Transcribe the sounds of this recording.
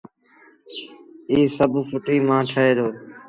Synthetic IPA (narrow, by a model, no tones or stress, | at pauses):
iːsəbʱfʊʈiːmãːʈʰəɦeːd̪oː